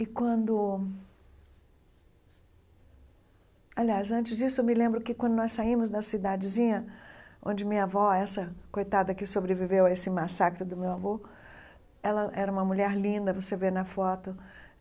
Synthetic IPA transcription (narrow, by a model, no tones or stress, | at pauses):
ɪkwɐ̃d̪ʊ | aliasɐ̃t͡ʃɪzd͡ʒisʊewmɪlẽmbɾʊkɪkwɐ̃nd̪ʊnɔsaĩmʊzd̪ɐsid̪ad͡ʒɪzĩɲɐʔõ̰d͡ʒɪmĩɲavɔɛsɐkojt̪ad̪ɐkɪsobɾevivewɐesɪmasakɾɪd̪ʊmewavo | ɛlɐʔɛɾɐũmɐmuʎɛɾlĩnd̪ɐvosevenɐfɔt̪ʊ